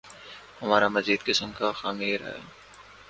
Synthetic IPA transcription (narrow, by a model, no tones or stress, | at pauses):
hɐmaːɾamɐziːd̪̚kɪsəmkaxaːmeɾa̰ːja̰